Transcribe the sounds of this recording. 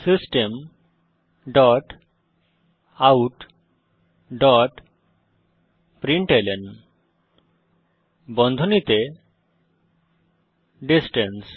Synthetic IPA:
sisʈem | ɖɔʈ | awʈ | ɖɔʈ | pɾiɳʈelɛn | bɔnd̪ʱɔnit̪e | ɖisʈɛns

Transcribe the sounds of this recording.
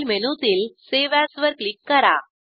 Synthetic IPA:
lmenut̪ilseʋæsʋəɾklikːɐɾa̰

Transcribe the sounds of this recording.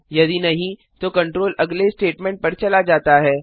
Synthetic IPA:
jɐd̪inɐɦĩ | t̪okɐ̃ɳʈɾoːlɐɡlesʈeːʈmɛ̃ːɳʈ̚pɐɾt͡ʃɐlad͡ʒaːt̪aɦɛː

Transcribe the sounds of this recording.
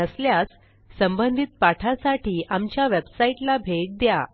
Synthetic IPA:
əsljas | səmbənd̪ʱit̪̚paʈʰasaʈʰiːamt͡ɕjaʋebsaiʈlabʱeɡ̚d̪ja

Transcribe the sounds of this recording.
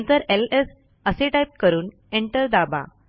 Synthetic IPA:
nt̪əɾeles | əseʈajp̚kəɾuːn | eɳʈəɾd̪aba̰

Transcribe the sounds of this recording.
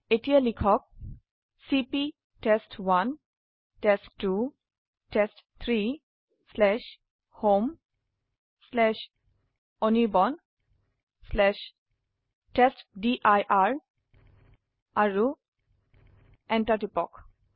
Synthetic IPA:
etielikʰɔk̚ | sipi | testwan | testːu | test | t̪ʰɹi | slɛʃ | hom | slɛʃ | onibɔn | slɛʃ | ʈestdiʔajʔaɹ | aɹu | ɛ̃nʈaʈipɔk

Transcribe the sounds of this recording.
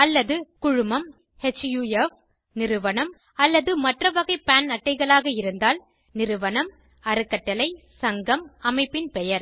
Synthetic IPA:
ɐlːɐðɯkʊɻʊmɐm | hɛt͡ʃjuef | nɪɾɯʋɐɳɐm | ɐlːɐðɯmɐʈrɐʋɐɣɐɪpaːnɐʈːɐɪɣɐɭaːɣɐɪɾɯnd̪aːl | nɪɾɯʋɐnɐm | ɐɾɯkːɐʈːɐlɐɪ | sɐŋɡɐmɐmɐɪpːɪnpɛjɐɾ

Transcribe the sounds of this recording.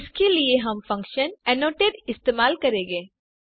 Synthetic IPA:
ɪskelieɦɐmfɐ̃ŋkʃənɛnoːʈeɖɪst̪eːmaːlkɐɾẽːŋɡeː

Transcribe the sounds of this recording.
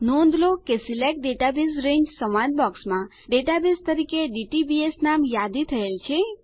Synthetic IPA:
nõnd̪lokesilek̚ɖeʈabisɾẽɲd͡ʒsəmãd̪̚bɔksmã | ɖeʈabest̪əɾikeɖiʈibiesnamjad̪it̪ʰəelt͡ʃʰe

